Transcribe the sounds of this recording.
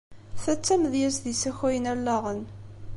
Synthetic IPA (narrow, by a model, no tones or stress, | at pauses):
θæt͡sːæməðjæsðisæçæjənælːɑʁən